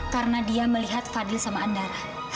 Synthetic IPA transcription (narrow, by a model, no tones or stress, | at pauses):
karənadiaməliɦat̪̚fadɪlsamaːndara | h